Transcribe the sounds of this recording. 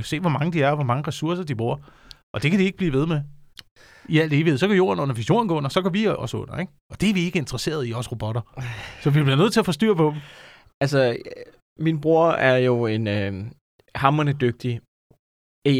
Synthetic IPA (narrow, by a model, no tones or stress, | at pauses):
se̝̰ːʋɒ̽mɑ̈ŋəd̥iæɐɒʋɒ̽mɑ̈ŋəʁɛsuɐsɐd̥ib̥ʁuɐ̰ | ʔɒ̽d̥e̝kʰæd̥ieɡ̥̚əb̥liːʋe̝ð̞ˠme | iæl̰d̥e̝ːʋiheðˠsɒ̽kʰæjo̝̰ːɐnɔ̽nɐʋiɕo̝̰ːɐn̩ɡ̥ɔ̰ːnɒ̽sɒ̽ɡɒʋiʔɒ̽sɔ̽n̰ɐeɡ̥ | ʔɒ̽d̥e̝æɐʋie̝ɡ̥əe̝nd̥ʁɐse̝̰ːɐð̞̩ˠiɒsʁo̝b̥ɒ̽ɾ̥ɐsɒ̽ʋib̥leðˠnøðˠt͡sʰe̝ɐfɒ̽sd̥y̰ːɐpʰɒ̽b̥m̩ | ælsə | minb̥ʁuɐ̰æɐjo̝e̝n | hɑ̈mɐnəd̥øɡ̥̚d̥i